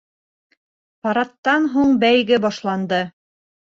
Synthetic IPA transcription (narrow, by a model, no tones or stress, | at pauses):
pɑɾɑt̪ːɑnɦuɴbæjɡɘbɑʃlˠɑnd̪ɤ